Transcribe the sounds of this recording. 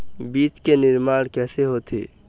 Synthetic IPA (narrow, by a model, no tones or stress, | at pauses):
biːt͡ʃkenɪɾmaːɽ̃kɛːseɦot̪ʰḭ